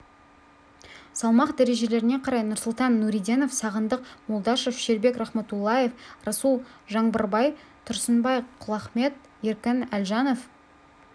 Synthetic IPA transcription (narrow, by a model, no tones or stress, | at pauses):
sɑlˠmɑqd̪æɾe̞ʒe̞le̞ɾɪne̞qʰɑɾɑjnʊɾsʊlˠt̪ɑnːuɾijd̪e̞no̞fsɑʁənd̪əqmʊlˠd̪ɑʃəʃʏ̥ʃe̞ɾbekrɑχmɑt̪ulˠːɑje̞frɑsulˠʒɑɴbəɾbɑj | t̪ʰʊɾsənbɑjqʰʊlˠɑχme̞t̪̚ | jeɾkʲɪnælʒɑno̞f